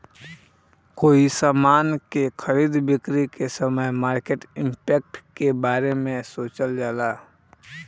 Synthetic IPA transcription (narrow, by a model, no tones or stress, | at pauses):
koːisaːmaːnkexʰəɾiːd̪bɪkɾikesəməjmaːɾkeʈɪ̃mpɛːk̚ʈkebaːɾemẽsoːt͡ʃəld͡ʒaːlaː